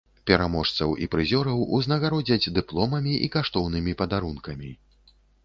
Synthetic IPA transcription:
pʲɛɾamɔʂt̪sɐwʔḭpɾɨzʲɔɾɐwuznɐɣaɾɔd͡zʲɐd͡zʲd̪ɨplˠɔmɐmʲiʔḭkaʂt̪ɔwnɨmʲipɐd̪aɾunkɐmʲi

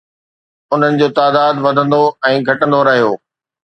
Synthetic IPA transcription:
ʊn̤ənɪ̆d͡ʑoːt̪aːd̪aːd̪ʋɐd̪ʱə̃nd̪oɛ̃ːɡʱɐʈə̃nd̪oɾɐɦijoː

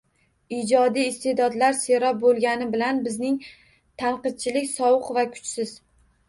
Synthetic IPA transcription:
id͡ʒɒd̪iːst̪ed̪ɒd̪laɾseɾɒp̚bolˠɡʲanɪbɪlanbɪznɪŋ | t̪ʰanqɨd̪̚t͡ʃʰɪlɪkʲsɒwʊqvakʰʊ̥t͡ʃsɪz

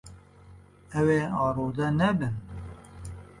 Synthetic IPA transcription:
ɛweːɑːɾoːd̪ɛnɛbɨn

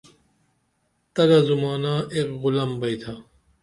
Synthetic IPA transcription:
t̪ɐɡɐzumaːnaːekɣulɐmbɐjt̪ʰa

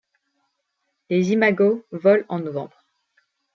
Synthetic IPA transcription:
lezimaɡovɔlɑ̃nɔvɑ̰̃bʁ

